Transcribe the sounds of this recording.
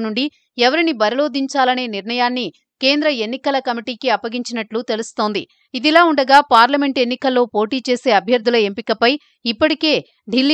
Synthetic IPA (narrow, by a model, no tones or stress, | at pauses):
nuɳɖi | ɛʋɐɾinibɐɾɐlo̞ːd̪iɲt͡ʃaːlɐne̞ːniɾnɐjaːnːi | ke̞ːnd̪ɾɐe̞nːikɐlɐkɐmiʈiːkiɐpːɐɡiɲt͡ʃinɐʈlut̪e̞lust̪o̞ːnd̪ḭ | id̪ilaːuɳɖɐɡaːpaːɾlɐme̞ɳʈe̞nːikɐlːo̞ːpo̞ːʈiːt͡ʃe̞ːse̞ːɐbʱjɐɾd̪ʱulɐe̞mpikɐpɐj | ipːɐʈike̞ː | ɖʱilː